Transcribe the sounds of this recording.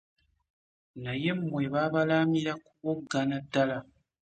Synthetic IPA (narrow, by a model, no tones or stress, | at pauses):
naje̞mmwe̞βaːβalaːmiɾakuβoɡːanadːala